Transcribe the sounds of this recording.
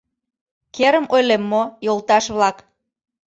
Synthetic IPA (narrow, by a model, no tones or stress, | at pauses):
keɾəmojlemːojolˠt̪ɑʃβlɑk